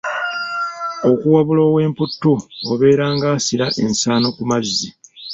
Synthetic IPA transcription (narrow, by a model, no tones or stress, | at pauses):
o̞kuwaβulo̞ːwe̞ːmputːuoβe̞ːɾaːŋɡaːsiɾaʔe̞nsaːno̞kumazːi